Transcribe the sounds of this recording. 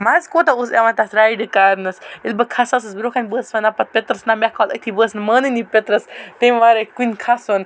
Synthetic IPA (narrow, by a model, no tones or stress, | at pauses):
mazkoːt̪ɐuseʋant̪asɾaːjɖɨkaːɾnɐsilʲbɐkʰasɐsɨsbiɾoːkʰanʲbəːsʋɐnɐpɐt̪̚pʲet̪ɾɐsnamʲakʰɔːlɐ̰k̚t̪ʰibəːsnməːnɨnipʲet̪ɾɐst̪emʋaːɾekunʲkʰason